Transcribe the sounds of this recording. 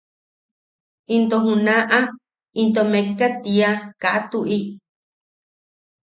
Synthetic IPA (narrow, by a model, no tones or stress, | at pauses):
int̪oɦũnãʔã | int̪omẽkat̪iakaʔat̪uʔi